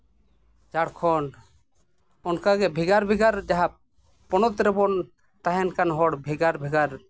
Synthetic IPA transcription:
d͡ʒaɽkʰɔn | ɔnkaɡɛbʱiɡaɾbʱiɡaɾd͡ʒaɦa | pɔñɔt̪ɾɛbɔn | t̪aɦɛnkanɦɔɽbʱiɡaɾbʱiɡaɾ

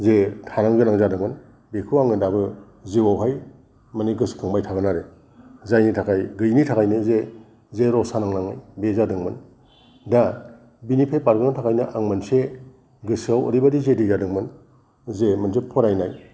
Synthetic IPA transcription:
zetʰanaŋɡɯnaŋzadɯŋmɯn | bekʰuaŋɯndabɯ | ziwawɦaj | maniɡɯskʰɯŋmbajtʰaɡɯnaɾe | zajnitʰakʰajɡɯjnitʰakʰajnɯze | zeɾɔsanaŋnaŋɯjbezadɯŋmɯn | da | binipʰejpaɾɡɯnatʰakʰajnɯʔaŋmɯnse | ɡɯsawɔ̰ɾibadizedizadɯŋmɯn | zemɯnsepʰɔɾajnaj

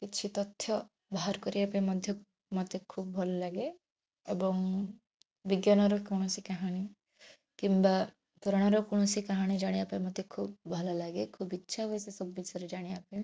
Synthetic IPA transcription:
kit͡ʃʰit̪ɔt̪ʰːjɔ | baɦaɾkɔɾibapaĩmɔd̪ʱjɔ | mɔt̪ekʰub̚bʱɔlɔlaɡe | ebɔŋ | biɡjanɔɾɔkɔɽ̃ɔsikaɦaɽ̃i | kimba | t̪uɾɔɽ̃ɔɾɔkɔɽ̃ɔsikaɦaɽ̃id͡ʒaɽ̃iapaj̃mɔt̪ekʰubbʱɔlɔlaɡekʰubitːʃʰaɦuesesɔbɔːit͡ʃʰɔɾed͡ʒaɽ̃iape

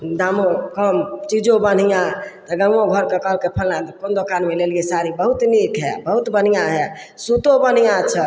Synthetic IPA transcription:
d̪amokəmt͡ʃid͡ʒobən̤ijãt̪ɔɡəŋoɡʱəɾkekəɦəlkepʰəlnãkond̪okanmeleliesaɾibəɦut̪nikɦɛbəɦut̪bən̤ijaɦɛ | sut̪obən̤ijãt͡ʃʰə

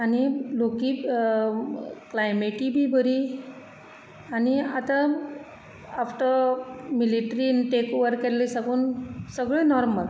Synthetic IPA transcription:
añilokiː | klajmeʈibʱiːbʱəɾi | aniat̪a | afʈəmiliʈɾiʈekoʋəɾkːelisaɡuːnsəɡɭẽnɔɾməl

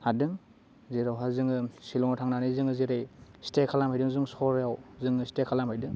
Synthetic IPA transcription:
hadɯŋ | ziɾawɦazɯŋɯsilɔŋtʰaŋnanizɯŋɯziɾajstekʰalamhajdɯŋzɯŋsɔɾjawzɯŋɯstekʰalamhajdɯŋ

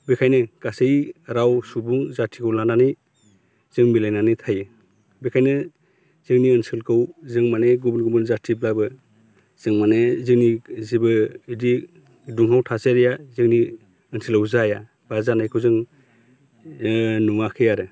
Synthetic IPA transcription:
bekʰajnɯɡ̥asejɾawsubuŋzatʰikʰɯwlananɯj | z̥ɯŋmilajnanɯjtʰajɯ | bekʰajnɯ | z̥ɯŋniɯnsɯlkʰɯwzɯŋmaneɡubɯnɡubɯnzatʰiblabɯ | z̥ɯŋmanezɯŋnizibɯidi | duŋɦawtʰaseɾijazɯŋni | ɯnsɯlawzaja | b̥azanajkʰɯwzɯŋ | nuŋakʰɯjaɾɯ

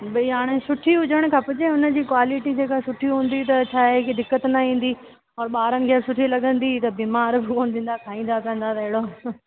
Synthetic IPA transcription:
bɐiɦaːɽ̃esʊʈʰiɦʊd͡ʑʱəɽ̃̆kʰãpʊd͡ʑẽʊnə̆d͡ʑiːkwaːlɪʈid͡ʑeːkasʊʈʰiɦũːn̆d̪it̪̬ɐt͡ɕʰaːekid̪ɪkːət̪nɐĩːn̆d̪i | ɔːɾɓaːɾənɪ̆kʰəsʊʈʰilɐɠə̃nd̪it̪ɐbiːmaːɾbɪkoːnd̪ĩːn̆d̪akʰaːĩːnd̪akɐ̃ə̃n̆d̪at̪ɐɦɪɽo

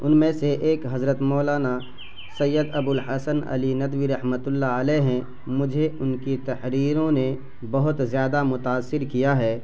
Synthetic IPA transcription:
ʊnmẽseʔeːkɦɐzɾət̪mɔːlaːna | sɐjːəd̪ɐbʊlhɐsənɐ̰linɐd̪wiɾɐhmət̪ʊlːaəlɛːɦɛ̃ | mʊd͡ʒʱeʊnkit̪ɐhɾiːɾõne | bɐɦʊt̪zjaːd̪amʊt̪aːsːɪɾkijaɦɛː

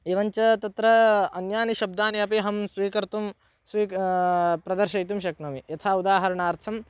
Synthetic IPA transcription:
iʋɐɲt͡ʃɐt̪ɐt̪ɾɐɐnjaːniʃɐb̚d̪aːniɐpiɦɐmsʋiːkɐɾt̪um | sʋiː | pɾɐd̪ɐɾʃɐjt̪umʃɐknɐmijɐt̪ʰaːud̪aːɦɐɾɐɳaːɾt̪ʰɐm

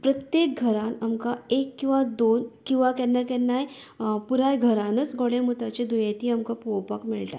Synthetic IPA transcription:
pɾət̪jekɡʱəɾanamkaekːĩw̃ʋad̪onkĩw̃ʋakɛnːakɛnaj | puɾajɡʱəɾanət͡sɡʱoɽẽməɡ̚t̪at͡ɕed̪ujet̪iːamkapowpəkmiɭʈa̰

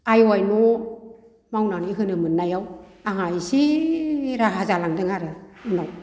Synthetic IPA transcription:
ajɔajnɔ | mawnaniɦɯnɯmɯnːajawaŋajsi | ɾaɦazalaŋdɯŋaɾɯɯnaw

